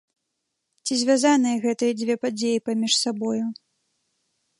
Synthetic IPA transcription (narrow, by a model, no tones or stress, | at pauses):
t͡sʲizʲvʲazanɨjɐɣɛt̪ɨjɐd͡zʲvʲɛpad͡zʲejipamʲiʂsabɔju